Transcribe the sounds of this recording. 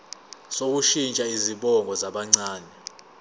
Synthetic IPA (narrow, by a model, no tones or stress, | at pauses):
sok̬uʃint͡ʃʼaiziɓɔŋɡʱɔzaɓaŋ͡ǀaːnɛ